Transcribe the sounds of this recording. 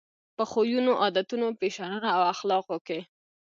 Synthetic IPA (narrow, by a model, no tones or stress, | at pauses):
pəxojunoʔɑd̪at̪unopeʃananaːwaxlɑqwoke